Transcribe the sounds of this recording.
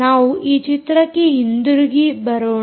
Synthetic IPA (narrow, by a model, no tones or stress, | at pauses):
aːʋuʔiːt͡ʃit̪ɾɐkːeɦind̪uɾɡibɐɾoː